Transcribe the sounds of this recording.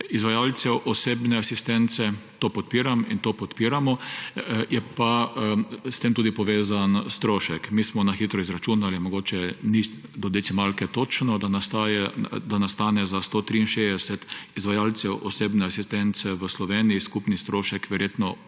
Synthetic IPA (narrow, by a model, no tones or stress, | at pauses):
izʋajalt̪sɛwʔɔseːbnɛasist̪ɛnt̪sɛt̪oːpɔt̪̚piːɾamint̪oːpɔt̪piːɾamɔ | jɛpa | st̪emt̪uːd̪ipɔʋeːzanst̪ɾoːʃɛkmismɔnaxiːt̪ɾɔizɾat͡ʃuːnalimɔɡoːt͡ʃɛnid̪ɔd̪ɛsimalkɛt̪oːt͡ʃnɔd̪anast̪ajɛd̪anast̪anɛzast̪ot̪ɾiinʃezd̪ɛsɛt̪izʋajalt̪sɛwʔɔseːbnɛasist̪ɛnt̪sɛʋəslɔʋeːnijiskupnist̪ɾoːʃɛkʋɛɾjeːt̪nɔ